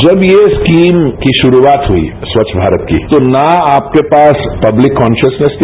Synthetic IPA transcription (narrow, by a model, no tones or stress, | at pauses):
d͡ʒɐbjeskiːmkiʃʊɾuaːt̪ɦuḭ | sʋɐʃʰbʱaːɾət̪kḭt̪onaaːp̚kepaːspɐblɪkːɔːnʃəsnəst̪